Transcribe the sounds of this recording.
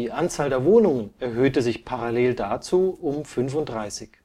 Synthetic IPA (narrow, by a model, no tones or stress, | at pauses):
iːʔant͡saːldeːɐvoːnʊŋənɛɐɦøːtəzɪçpʰaʁaleːldat͡suːʊmfʏnfʊntd̥ʁaɪsɪç